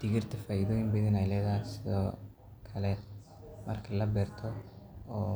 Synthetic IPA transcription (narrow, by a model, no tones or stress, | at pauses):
d̪̥ɪɣɪrt̪ʰɐfɐjðɔɪmbɪðɪnɐjlɛːðasɪðɔː | kʰɐlɛ | mɐrkʰɐlɐbɛrt̪ʰɔɔː